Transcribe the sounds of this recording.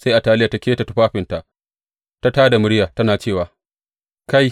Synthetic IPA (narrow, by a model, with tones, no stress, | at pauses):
sa˦jʔa˨taː˦˨lɪ˦ja˨ta˦kʲeː˦ta˨ta˦ɸaː˦ɸɪ˨nta˨ʔ | ta˦taː˦da˨mʊ˦ɽjaː˨tɐ˦naː˨t͡ʃeː˦˨waː˨ | ka˦j